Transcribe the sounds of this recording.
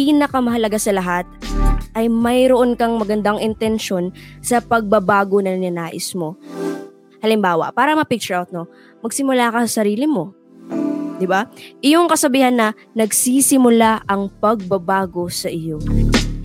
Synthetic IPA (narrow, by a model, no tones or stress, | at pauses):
piːnɐkɐmɐɦɐlɐɡasɐlɐɦat̪̚ʔɐjmɐjɾoʔo̞nkɐŋmɐɡɐnd̪aŋʔɪnt̪ɛnʃo̞nsɐpɐɡ̚bɐbaːɡo̞nɐnɐnaːʔɪsmo̞ | hɐlɪmbaːwɐ̰paːɾɐmɐpɪk̚t͡ʃʊɹawt̪̚no | mɐɡ̚sɪmʊlaːkɐsɐsɐɾiːlɪmo̞ | d̪ɪbaʔɪjoŋkɐsɐbiːhɐnːɐ | nɐɡsisɪmʊlaʔɐŋpɐɡ̚bɐbaːɡo̞sɐʔɪjo̞